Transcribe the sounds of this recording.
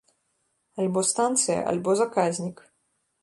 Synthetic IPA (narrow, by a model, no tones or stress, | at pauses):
alʲbɔst̪ant̪sɨjɐ̰ʔa̰lʲbɔzakazʲnʲik